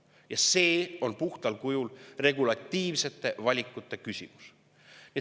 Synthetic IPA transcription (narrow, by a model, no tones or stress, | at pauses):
jɑse̞ːo̞npuht̪ɑlkujulre̞ɡulɑt̪ːˑiːvse̞t̪ːˑe̞vɑlʲikːˑut̪ːˑe̞kysʲḭmu̥s | jɑ